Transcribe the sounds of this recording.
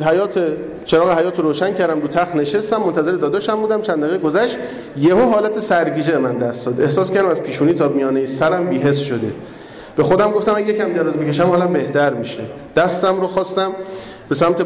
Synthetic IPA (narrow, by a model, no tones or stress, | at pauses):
hæjɒːt̪ʰe | t͡ʃʰe̞ɾɒːɣeɦæjɒːt̪ʰoɾoːʃæncʰæɾd̪æmɾuːt̪ʰæxne̞ʃest̪æmːont̪ʰæze̞ɾed̪ɒːd̪ɒʃæmbuːd̪æmt͡ʃʰænd̪æɣeɡozæʃt̪ | jeɦoɦɒːlæt̪ʰesæɾɡiːd͡ʒebemænd̪æst̪d̪ɒːd̪ehsɒːskʰæɾd̪æmæzpʰiːʃuːniːt̪ʰɒːmijɒːnejisæɾæmbiːɦe̞sʃod̪e | b̥e̞xo̞d̪æmɡo̞ft̪æmænjecʰæmd̪eɾɒːzbicʰeʃæmhɒːlæmbe̞ht̪ʰæɾmiʃe | d̪̥æst̪æmɾoxɒːst̪æm | b̥e̞sæmt̪ʰe